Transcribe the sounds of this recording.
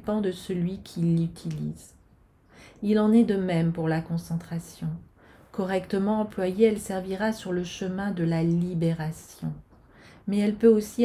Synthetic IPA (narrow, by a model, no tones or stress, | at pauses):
pɑ̃d̪əsəlɥikʲʰilyt̪ʰilḭz | ilɑ̃nɛd̪əmɛmpuʁlakɔ̃sɑ̃t̪χasjɔ̃ | kɔʁɛkt̪əmɑ̃ɑ̃plwajeɛlsɛʁviʁasyʁləʃəmɛ̃d̪əlalibeʁasjɔ̰̃ | mɛɛlpøosi